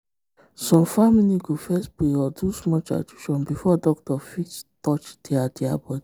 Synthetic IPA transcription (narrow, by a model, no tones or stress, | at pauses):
sɔ̃mfamiliɡofɛstbeɔdusmɔt͡ʃa̰tuʃɔ̃nbifɔdɔk̚tɔfittɔt͡ʃd̥iadiabɔdi